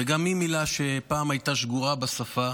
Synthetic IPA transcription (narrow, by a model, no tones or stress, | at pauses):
veɡamːimilaʃe̞paːmajtaʃɡuʁabasafa